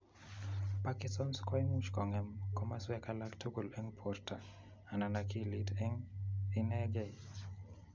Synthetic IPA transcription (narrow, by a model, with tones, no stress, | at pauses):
pa˦kɪ˦sɔ˦nskɔ˦i˦nu˦t͡ʃkɔ˨ŋɛ˨mkɔ˦ma˦swɛ˦ka˦la˦ktʰo˦ɡo˨lɛ˦ŋpʰɔrtʰa˨ | a˨na˨na˨ki˦li˦tɛ˦ŋi˦nɛ˦ɡɛ˦